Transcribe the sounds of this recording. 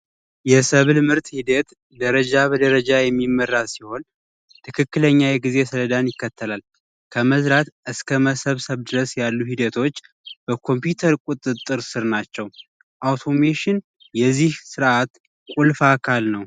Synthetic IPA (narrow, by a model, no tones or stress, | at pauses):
jɛsəβlmɨɾt̪hid̪ət̪ | d̪əɾəd͡ʒabəd̪əɾəd͡ʒajɛmːimːərːadsiho̞n | tt̪ʰɨkʰɨkːɨləɲːajɛɡize̞sələd̪anjɪkːət̪ʰːəlal | kʰəməzɾat̪ʔɨskʰəməsəβsəβd̪ɨɾəsjalːuhid̪ət̪ʰo̞t͡ʃː | b̥əkʰo̞mpjut̪ʰəɾkʼut̪ʼːɨt̪ʼːɨɾsɨɾnat͡ʃːɛw | ʔawt̪ʰo̞meʃɪn | jɛzːihsɨɾʔat̪ | kʼulfakʰalnəw